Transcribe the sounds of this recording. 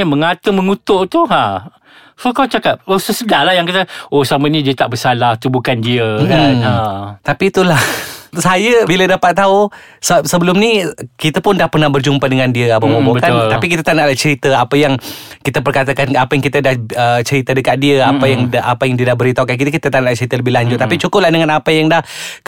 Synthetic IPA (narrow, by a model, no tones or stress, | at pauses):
aməŋat̪əməŋut̪ʊʔt̪uɦa | sokawt͡ʃakap̚osəsədahlahjaŋkat̪əosamənidiət̪aʔbəsalaht̪ubukandiəkanat̪apit̪ulahsajəbilədapat̪ːau | səsəbəlʊmnikit̪apʊndahpərnahbərd͡ʒumpadəŋandiəabəbobobəkalt̪apikit̪at̪anaʔlat͡ʃəɾit̪əapəjaŋkit̪ap̬ərkat̪akanapajaŋkit̪adahət͡ʃəɾit̪ədəkat̪̚diəapajaŋdʔapajaŋdiədahbəɾit̪aukankit̪əkit̪at̪anaʔlaht͡ʃəɾit̪ələbɪhlaɲd͡ʒʊt̪̚ːapit͡ʃukʊp̚lahdəŋanapajaŋdah